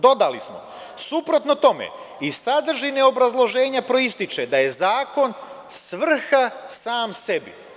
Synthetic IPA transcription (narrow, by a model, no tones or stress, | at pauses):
d̪o̞d̪alismo̞̰ | supɾo̞t̪no̞t̪o̞mḛ | isad̪r̩ʒineo̞bɾazlˠo̞ʒe̞ːɲapɾo̞ist̪it͡ʃed̪aje̞zaːko̞n | sʋr̩xasaːmse̞bḭ